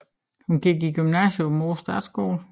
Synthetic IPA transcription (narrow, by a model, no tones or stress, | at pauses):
hunɡ̥iɡ̥iɡ̥ymnæɕjomoːsd̥ɑ̰̈ːd̥sɡ̥o̰ːl